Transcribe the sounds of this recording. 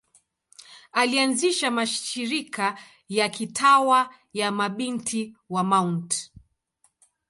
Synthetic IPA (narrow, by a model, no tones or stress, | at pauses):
alianziʃamaʃʃiɾikʰa | jakitʰawa | jamaɓintʰiwamaunt